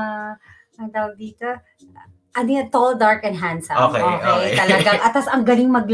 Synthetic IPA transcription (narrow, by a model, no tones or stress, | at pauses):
ɐŋd̪awɐɡ̚d̪iːt̪o | ʔɐnʊjat̪old̪aɹkɛnɦansɐmokeoejt̪ɐlɐɡaŋʔɐt̪ːɐsɐŋɡɐlɪŋmɐɡl